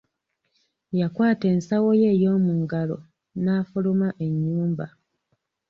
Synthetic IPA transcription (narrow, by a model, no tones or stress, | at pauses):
jakwaːte̞ːnsawo̞je̞ːjo̞ːmuŋɡalo̞̰ | naːfulomaʔe̞ɲːuːmba